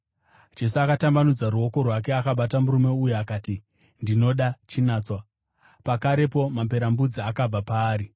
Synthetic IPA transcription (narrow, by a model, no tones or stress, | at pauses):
d͡ʒe̞suakatambanud͡zaruo̞ko̞rwak̬e̞akaɓatamuɾume̞ujuakaːti | ndino̞ɗat͡ʃinaːt͡swa | pakaɾe̞po̞mamp̬e̞ɾambud͡ziakab͡vapaːɾi